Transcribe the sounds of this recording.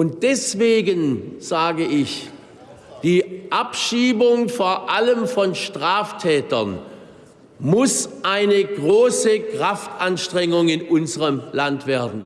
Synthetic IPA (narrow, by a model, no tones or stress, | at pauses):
ʔʊnt̚d̥ɛsv̥eːɡənz̥aːɡəɪç | d̥iːʔapʃiːbʊŋfoːɐʔaləmfɔnʃtʁ̥aːftʰɛːtɐn | mʊsʔaɪnəɡʁoːsəkʁ̥aftʔanʃtʁ̥ɛŋʊŋɪnʔʊnzəʁəmlantv̥eːɐdn̩